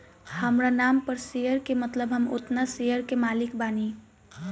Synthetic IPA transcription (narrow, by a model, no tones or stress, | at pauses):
həmɾanaːmpəɾsejəɾkemət̪ləbɦəmo̰t̪nasejəɾkemaːlikbaːni